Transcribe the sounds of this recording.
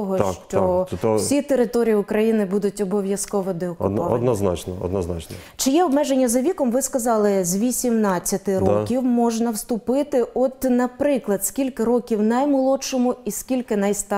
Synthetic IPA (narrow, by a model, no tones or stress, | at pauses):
ɔɦɔt͡ʃɔt̪sʲit̪eɾɪt̪ɔɾʲijiʊkɾɐjinɪbud̪ʊtʲɔbɔʋʲjɐskɔʋɔd̪ɪɔkʊ̰dɔ̰d̪nɔznɑ̰t͡ʃnɔɔ̰d̪nɔznɑ̰t͡ʃnɔt͡ʃɪjɛɔbmɛʒenʲːɐzɐʋʲikɔmʋɪskɐzɑlˠɪzʲʋʲisʲimnɑt͡sʲːɐt̪ɪɾkʲiwmɔʒnɐwst̪ʊpɪt̪ɪʔɔt̪nɐpɾɪklˠɐd̪skʲilʲkɪɾɔkʲiwnɐjmɐlˠɔt͡ʃɔmʊiskʲilʲkɪnɐjst̪ɑ